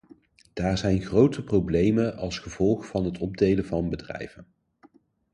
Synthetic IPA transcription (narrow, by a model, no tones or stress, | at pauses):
d̥aːɹzɛjnχrowtʰəprowblejmənɑlˠsχəv̥ɔlˠχvɑnɦətɔb̚dejləvɑnbədrɛ̰jvən